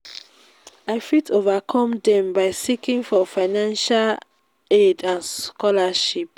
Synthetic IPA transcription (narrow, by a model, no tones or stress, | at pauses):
aɪfitʰovakʰɔ̃mdɛ̃mbaɪsikĩŋfɔfaɪnãnʃal | edãnskɔlaʃip̚